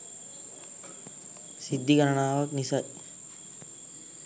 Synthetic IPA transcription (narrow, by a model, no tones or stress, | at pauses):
sid̪ːikaɾəɳaːʋaknisat